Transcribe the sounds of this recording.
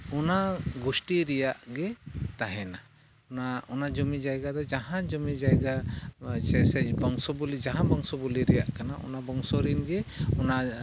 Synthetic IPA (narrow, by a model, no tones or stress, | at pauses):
ɔnaɡusʈiɾɛjaʔɡɛt̪aɦɛna | naɔnad͡ʒɔmid͡ʒajɡad̪ɔd͡ʒaɦãd͡ʒɔmid͡ʒajɡat͡ʃɛsɛbɔŋsɔbulid͡ʒaɦãbɔŋsɔbuliɾɛja̰ʔkanaʔɔ̰nabɔŋsɔɾinɡɛɔna